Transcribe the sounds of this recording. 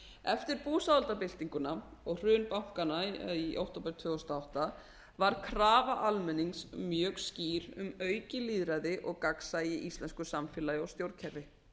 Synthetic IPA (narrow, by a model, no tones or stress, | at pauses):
ɛft̪ɪɾpuːsaðalt̪apɪl̥t̪iŋkʏnaɔɣr̥ʏːnpawŋ̥kanaiʔa̰wht̪owpɛɾ̥t̪ʰvʏːɣɔst̪aawht̪a | vaɾ̥kʰɾaːvaʔalmɛnːiŋsmjœːɣsciːɾʏmœːɥcɪliːðɾaðɪʔɔɣkaksajɪʔist̪lɛnskʏsamfɪlaːjawst̪jowɾcʰɛɾvɪ